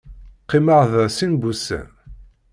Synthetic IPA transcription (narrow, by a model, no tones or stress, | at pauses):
qːiməʁðsinbusæ̰